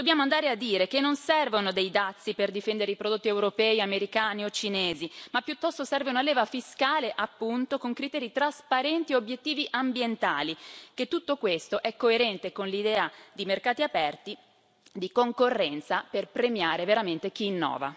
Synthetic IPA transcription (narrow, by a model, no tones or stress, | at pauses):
d̪objaːmoand̪aːɾead̪ːiːɾekenːonsɛrvonod̪ejd̪at̪sːiperd̪ifɛnd̪eɾeipɾod̪ot̪ːiewɾopɛːiameɾikaːniot͡ʃineːzimapːjut̪ːɔst̪osɛrveunalɛːvafiskaːleʔapːunt̪okoŋkɾit̪ɛːɾit̪ɾaspaɾɛnt̪ieobjet̪ːiːviʔambjent̪aːliket̪ːut̪ːokwest̪oʔɛkːoeɾɛnt̪ekonlid̪ɛːad̪imerkaːt̪iapɛrt̪i | d̪ikoŋkorːɛnt̪saperpɾemjaːɾeveɾament̪ek̟iːnːɔ̰ːva̰